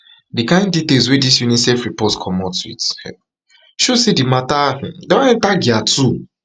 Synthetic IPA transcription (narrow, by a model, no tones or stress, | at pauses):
dikãɪ̃ndditelswedisjunisɛfɹipɔtkʰɔmɔtuḭt | ʃosedimatãdawaɛ̃ntaɡiatu